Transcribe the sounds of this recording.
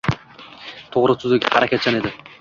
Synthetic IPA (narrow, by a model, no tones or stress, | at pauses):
t̪ʰoʁɾʊsʰyzeɡʲhaɾakʰʲat̪̚t͡ʃʰaned̪ɪ